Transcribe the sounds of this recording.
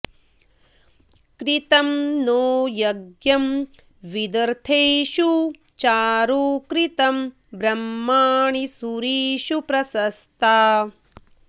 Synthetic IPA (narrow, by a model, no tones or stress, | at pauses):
kɾit̪ɐmnoːjɐɡjɐm | ʋid̪ɐɾt̪ʰejʃu | t͡ʃaːɾuːkɾit̪ɐm | bɾɐmːaːɳisuɾiːʃupɾɐsɐst̪ʰaː